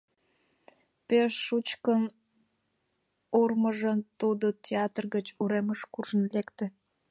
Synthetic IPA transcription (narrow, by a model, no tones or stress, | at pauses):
peʃːut͡ɕkən | urməʒət̪ud̪otʲeɑt̪rɣət͡ɕuɾeməʃkurʒənlekt̪e